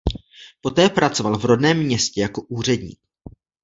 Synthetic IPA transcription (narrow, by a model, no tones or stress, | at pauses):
po̞t̪ɛːpɾat͡so̞valvɾo̞dnɛːmːɲɛscɛjako̞ʔuːr̝ɛdɲḭːk̚